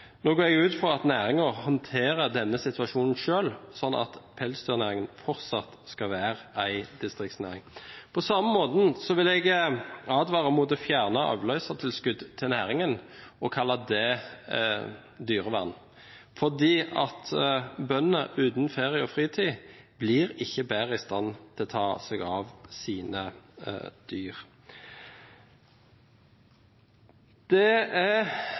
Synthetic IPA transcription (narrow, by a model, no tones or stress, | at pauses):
noːɡoːɛɡʉːt̪fʁɑɑt̪næːʁɪŋəʁhɔnt̪ʰeːʁəd̪ɛnːəsɪt̪ʰʉɑʃuːnən̩ʃøːlsɔnːɑ̰t̪pʰɛlsd̪yːʁnæːʁɪŋənfɔʁt̪sɑt̪skɑʋæːʁəʔæɪd̪̥ɪst̪ʁɪkt̪snæ̰ːʁɪŋpʰɔsɑməmoːd̪n̩sɔʋɪlɛɡɑːd̪ʋɑːʁəmɔd̪əfjæːʁnɑɑ̰ːʋlœʏsɑt̪ʰɪlskʉd̪t̪ʰɪlnæːʁɪŋənɔkʰɑlːɑd̪ɛ | d̪yːʁəʋæ̰ʁn | fɔʁd̪iːɑt̪bœnəʔʉːt̪n̩feːʁɪəɔfʁiːt̪ʰiːbliːʁɪçːəbæːʁəɪst̪ɑnːt̪ʰɪlt̪ʰɑːsɛɡɑːʋsiːnə̰ | d̪̥yːʁ | d̪̥ɛæ